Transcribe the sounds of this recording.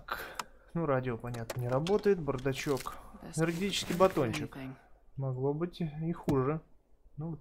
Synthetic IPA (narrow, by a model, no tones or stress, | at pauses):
k | nuɾadʲɪopɐnʲat̪nənʲɪɾɐbo̞t̪əjɪt̪̚bərd̪ɐt͡ɕo̞kɐlʲɪrɡʲɪtʲit͡ɕɪ̥skʲɪjbɐt̪ont͡ɕɪkmɐɡlˠo̞bɨtʲixuʐɨnut̪